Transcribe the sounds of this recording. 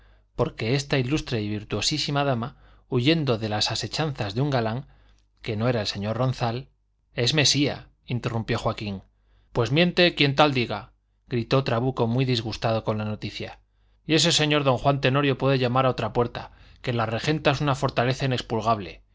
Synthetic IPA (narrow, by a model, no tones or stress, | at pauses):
po̞ɾke̞e̞st̪ailust̪ɾeiβiɾt̪uo̞sisimaðama | uʝe̞nd̪o̞ðe̞lasase̞t͡ʃanθazðeuŋɡalaŋ | ke̞no̞e̞ɾaelse̞ɲo̞rro̞n̟θal | e̞zme̞sia̰ | int̪e̞rumpjo̞xwakiŋ | pwe̞zmjẽ̞nt̪e̞kje̞nt̪ald̪iɣa | ɡɾit̪o̞t̪ɾaβuko̞mwiðizɣ̞ust̪að̞o̞ko̞nlano̞t̪iθja | je̞s̬e̞se̞ɲo̞ɾðo̞ŋxwant̪e̞no̞ɾjo̞pwe̞ðeʝamaɾaot̪ɾapwe̞ɾt̪a̰ke̞lare̞xe̞nt̪aesunafo̞ɾt̪ale̞θaine̞kspulɣ̞aβle̞̰